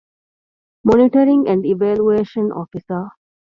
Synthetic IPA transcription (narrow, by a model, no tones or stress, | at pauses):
moniʈɐɾiŋæ̃ɳɖiʋæːlueːʃɐnʔɔ̰ːfisɐ